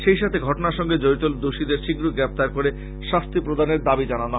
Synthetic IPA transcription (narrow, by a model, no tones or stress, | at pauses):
ʃejʃat̪ʰeɡʱɔʈonaɾʃɔŋɡed͡ʑoɾit̪old̪oʃid̪eɾʃiɡɾoɡɾɛp̚t̪aɾkoɾe | ʃast̪ʰipɾod̪ʱaneɾd̪abid͡ʑanana